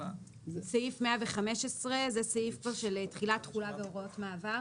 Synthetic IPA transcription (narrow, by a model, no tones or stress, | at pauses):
seifmeaveχame̞ʃesʁe̞zeseifkvaʁʃe̞letχilatχulaveo̞ʁo̞tmaːvaʁ